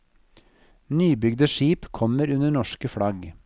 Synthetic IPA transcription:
nyːbʏɡd̪əʃiːpkʰɔməɾʉnəɳɔʂkəfɽɑɡ

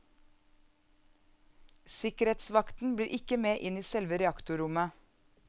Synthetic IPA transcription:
sɪkəɾeːt̪sʋɑkt̪n̩bliːɾʔɪkəmeːʔɪniːsɛlʋəɾɛɑkt̪ʊɾʊmə

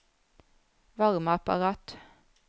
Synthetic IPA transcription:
ʋɑʁməɑpɑ̰ʁɑːt̪

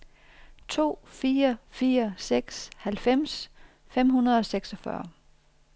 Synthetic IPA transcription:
t͡sʰo̝̰ːfiːɐfiːɐseɡ̥shælfem̰s | fem̰hunɐð̞ˠɒ̽seɡ̥sɒfɶ̰ɐ

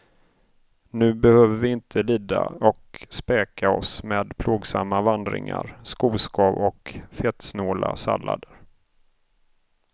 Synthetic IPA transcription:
nʉ̟ːbɛhøːvəɾvɪɪnt̪ʰəliːd̪aɔkspɛːkʰaɔsmeːd̪pʰloːɡsamːavand̪ɾɪ̰ŋaɾskuːskʰɑːvɔkfɛt̪snoːlasa̰lːad̪əɾ

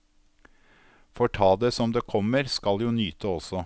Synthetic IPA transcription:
fɔʈʰɑːd̪eːsɔmd̪eːkʰɔməɾskɑljuːnyːt̪ʰəɔsɔ

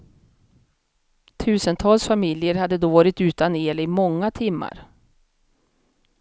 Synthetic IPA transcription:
t̪ʰʉ̟ːsənt̪ʰɑːlsfamɪljəɾhad̪ːəd̪oːvɑːɾɪt̪ʉ̟ːt̪aneːlɪmɔŋːat̪ʰɪmːa̰ɾ

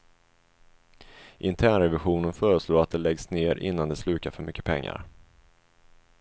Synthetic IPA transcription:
ʔɪnt̪ʰæːɳɾɛvɪɧuːnənfœːɾəʂloːɾat̪̚d̪ɛlɛɡsneːɾʔɪ̰nːand̪ɛslʉ̟ːkafœɾmʏkːəpʰɛŋːa̰ɾ

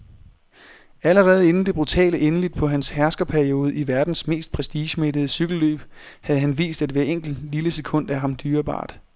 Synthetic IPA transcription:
æləʁɛːð̞̩ˠe̝nn̩d̥e̝b̥ʁut͡sʰɛ̰ːləʔenəlid̥̚pʰɒ̽ɦænshæɐsɡ̥ɐpʰæɐio̝ːð̞̩ˠəiʋæɐd̥n̩sme̝̰ːsd̥̚pʰʁɛsd̥iːɕme̝d̥əð̞ˠəsyɡ̥l̩lø̰ːb̥hæð̞̩ˠɦænʋḭːsd̥æd̥ʋæːɐeŋ̰ɡ̥l̩dliləsekʰɔ̽n̰d̥æɦɑ̈md̥yːɐb̥ɑ̰̈ːd̥

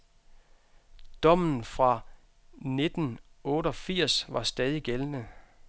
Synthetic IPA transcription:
d̥ɒ̽m̰n̩fʁɑ̈ | ne̝d̥n̩ɔ̽ːɾəɒfiɐ̰sʋɑ̈sd̥ɛːð̞ˠiɡ̥elnə

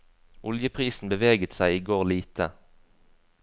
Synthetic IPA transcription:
ʔʊljəpʰʁiːsn̩bəʋeːɡət̪sæɪiːɡoːʁliːt̪ʰə

